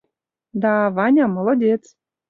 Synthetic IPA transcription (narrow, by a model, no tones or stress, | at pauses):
d̪ɑvɑnʲɑmŏlˠŏdʲet͡s